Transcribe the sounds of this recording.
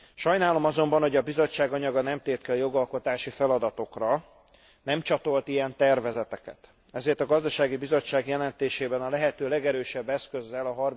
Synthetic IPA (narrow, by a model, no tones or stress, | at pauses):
ʃɒjnaːlo̞mɒzo̞mbɒnho̞ɟɒbizo̞t͡ʃːaːɡɒɲɒɡɒnɛmt̪eːt̪kɛɒjo̞ɡɒlko̞t̪aːʃifɛlɒd̪ɒt̪o̞krɒ | nɛmt͡ʃɒt̪o̞lt̪ijɛnt̪ɛrvɛzɛt̪ɛkɛ̰t̪ | ɛzeːrt̪ɒɡɒzd̪ɒʃaːɡibizo̞t͡ʃːaːɡjɛlɛnt̪eːʃeːbɛnɒlɛɦɛt̪øːlɛɡɛɾøːʃɛbːɛskø̞zːɛlɒɦɒr